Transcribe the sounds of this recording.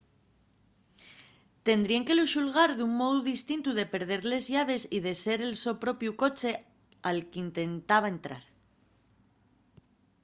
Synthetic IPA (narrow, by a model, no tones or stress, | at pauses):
t̪e̞nd̪ɾieŋke̞luʃulɣ̞aɾðuŋmoðuðist̪int̪uð̞e̞pe̞ɾð̞e̞ɾle̞zʝaβ̞e̞siðe̞se̞ɾe̞lso̞pɾo̞pjuko̞t͡ʃe̞ | alkint̪e̞nt̪aβ̞aent̪ɾa̰ɾ